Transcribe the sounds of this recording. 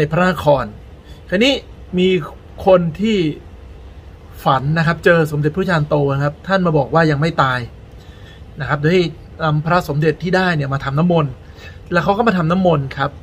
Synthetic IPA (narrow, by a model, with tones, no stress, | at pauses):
na˧jpʰɾa˦˥na˧˥kʰɔː˧n | kʰa˧˩niː˦˥miː˧ | kʰo˧nt̪ʰiː˥˩ | fa˩˦nːa˦˥kʰa˦˥p̚t͡ɕɤː˧so˩˦mde˨˩pːʰaː˧nt̪oː˧na˦˥kʰa˦˥p̚t̪ʰa˥˩nmaː˧bɔː˨˩k̚waː˥˩ja˧ŋma˥˩jt̪aː˧j | na˦˥kʰa˦˥p̚doː˧˩ha˥˩j | na˧mpʰɾa˦˥so˩˦mde˨˩t̪ʰːiː˥˩daː˥˩jni˥˩ɐmaː˧t̪ʰa˧mna˦˥mːo˧n | lɛ˦˥˩kʰa˦˥wkɔ˥˩ma˧t̪ʰa˧mna˦˥mːo˧nkʰa˦˥p̚